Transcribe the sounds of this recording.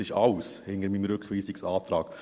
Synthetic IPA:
ɪʃɑwshɪnəɾmimɾɵkχʋiːsɪksɑːt̪ɾɑ̰ːk

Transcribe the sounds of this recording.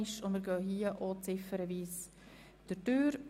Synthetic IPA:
ɪʃʊnməɾɡœːɦiːəʔot͡sɪfəɾəviːs | d̥əɾtøːɾ

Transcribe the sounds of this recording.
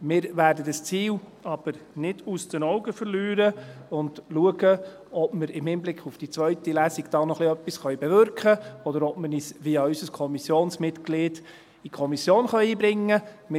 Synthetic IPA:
mɪːɾvæːɾdədəst͡siːlɑb̥əɾnɪdusd̥ənɔʊɡəfəɾlyːɾəʊndluəɡə | ɔbməɾɪmhɪmblɪkχufd̥it͡sʋœɥtilæːsiɡd̥ɑːnɔχliœpːisχœɥbɛvʏɾkχəɔdəɾɔpmənisʋiʏsəskʰɔmisjoːnsmɪtklɪːd | ikʰɔmisjoːnχœʏiːbɾɪŋːə | mɪ

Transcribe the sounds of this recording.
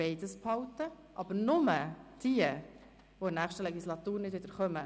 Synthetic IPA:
eɪdəsphɑwtə | ʔɑbəɾnʊməd̥iːə | ʋoɪnæːχʃtəlɛɡislɑt̪uːɾnɪdʋɪd̥̪əɾχœmə

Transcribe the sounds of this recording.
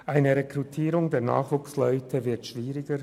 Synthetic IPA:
ʔaɪnəɾɛkrutʰiːɾʊŋdeːɐna̰ːχvuːkslɔʏtʰəvɪɐtʃv̥iːʁɪɡə

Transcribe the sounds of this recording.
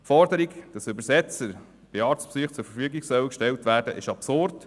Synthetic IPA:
fɔrdəɾiɡd̥ɑsʏbəsɛt͡səɾ | b̥ɪɑːɾt͡spsyːχt͡sʊɾfəɾfyəɡiɡsœwəkʃtɛltʋæːɾd̥ə̰ʔɪʃɑpsʊrd

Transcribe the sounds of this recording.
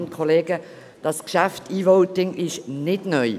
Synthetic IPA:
nkʰoleːɡə | d̥ɑsɡ̥əʃæftiːvoʊtɪŋɪʃnɪtnœʏ

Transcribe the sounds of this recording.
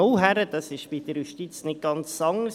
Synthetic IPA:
owɦæɾəd̥̪ɑsɪʃb̥id̥̪əɾjuʃtit͡snɪt̚ɡ̥ɑnt͡sːɑŋəɾs

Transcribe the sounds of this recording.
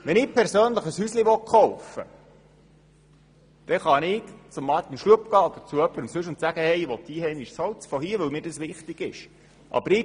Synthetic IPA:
ʋɛnɪːpʰɛɾsøːnləχəshysliʋɔχɔwfə̰ | d̥ɛχɑnɪkt͡sʊmːɑt̪inʃluəpɡ̥ɑːod̪əɾt͡suœpːəɾəmsʉʃ̬ʊnt̪sæɡ̥əhɛjʋɔt̪̚d̥iːhɛnɪʃsɔwt͡sfɔɦiːəʋɵlmiːɾdɑsʋɪχt̪ɪɡɪʃ | ʔɑ̰bəɾɪ

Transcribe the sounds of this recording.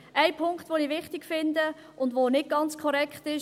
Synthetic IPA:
ʔaɪpʰʊŋkχtʋoniːʋɪχtiɡ̥fɪndə | ʊndʋonɪd̚ɡ̥ɑnt͡skʰɔɾɛkχtɪʃ

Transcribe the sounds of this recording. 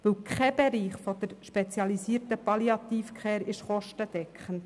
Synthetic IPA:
ʋɪwkʰχɛb̥ɛɾiːχfodəɾʃpɛt͡sjɑlisiəɾtəpɑljɑt̪iːfkχɛːɾɪʃχɔʃtəd̥ɛkχən

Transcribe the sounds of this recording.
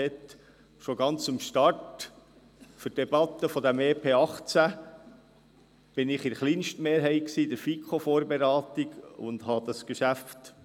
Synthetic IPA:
ɛt̪ | ʃoɡɑnt͡sɪmʃtɑrt | fyd̥ɛb̥ɑt̪ːəfɔd̪æmeːpʰeːɑχt͡sæ | b̥ɪnɪχɪɾχliːnʃtmeːɾɦɛɪksiːd̥əɾfikʰχofoːɾbeɾɑːt̪iɡʊ̰nd̪̥ɦɑd̥̪ɑsɡ̥əʃæft

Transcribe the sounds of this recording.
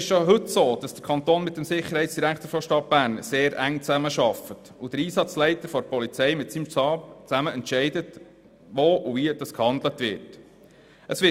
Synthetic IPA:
ɪʃʃoɦɵtsoːd̥ɑsd̥ə̥ɾkʰɑnt̪oːnmɪt̚ːəmsɪχəɾhɛɪt͡ssd̥iɾækt̪əɾfɔʃtɑt̚b̥æːɾnseːɾʔæŋt͡sæməʃɑfət | ud̥̪əɾiːsɑt͡slɛɪtəɾfɔɾpɔlit͡sɛɪmɪtsimtɑːpt͡sæməɛntʃɛɪdət | ʋoːʔuviəd̥ɑskhɑnd̪lətʋɪ̰t | ʔəsʋɪ

